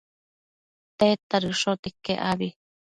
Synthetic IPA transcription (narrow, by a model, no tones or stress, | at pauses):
t̪et̪aɾɨʂot̪ekːeʔaβi